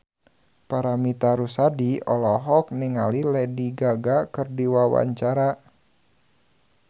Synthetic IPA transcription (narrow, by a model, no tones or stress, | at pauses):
paɾamit̪aɾusadiɔlɔɦɔk̚niŋalilɛdiɡaɡakɨrdiwawa̰ɲt͡ʃaɾa